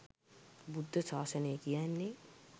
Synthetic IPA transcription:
bud̪ʱːəsaːsənəjəkijanːe

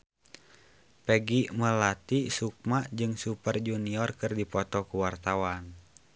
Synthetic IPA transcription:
pəɡiməlat̪isuk̚mad͡ʒɨŋsupərd͡ʒuniɔrkɨrdipɔt̪ɔkuwart̪awan

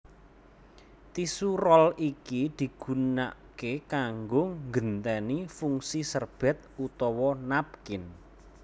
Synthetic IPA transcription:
t̪isurɔlikid̪̥i̤ɡ̥ṳna̰ʔkekaŋɡʊŋɡənt̪ɛnifuŋsisərb̥ɛ̤t̪̚ut̪ɔwɔnap̚kɪn

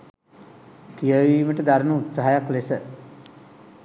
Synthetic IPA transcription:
kijəʋiːməʈəd̪aɾənəut̪saɦajaklesə

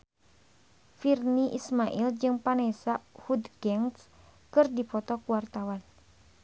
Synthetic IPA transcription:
firniʔismaʔild͡ʒɨŋpanɛsahudɡɛŋs | kɨrdipɔt̪ɔkuwart̪awan

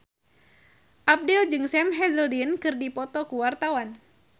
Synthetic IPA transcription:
ʔap̚dɛld͡ʒɨŋsɛmɦɛzəldinkɨrdipɔt̪ɔkuwart̪awan

